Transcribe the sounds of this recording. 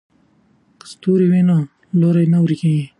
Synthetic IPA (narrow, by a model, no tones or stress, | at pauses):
qst̪uɾiwenã | loɾajnawɾikẽĩ